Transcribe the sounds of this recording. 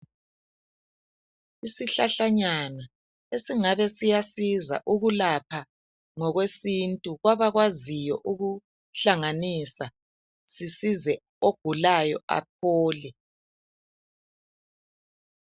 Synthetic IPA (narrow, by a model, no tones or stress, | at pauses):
isiɬaɬaɲana | esiŋaβɛsijasiza̰ʔuɣulapʰa | ŋɔɣwesintʼuɣwaβaɣwazijɔʔuɣu | ɬaŋanisa | sisizɛ | oɡ̥ʱulajɔ̰a̰p̚ʰɔːlɛ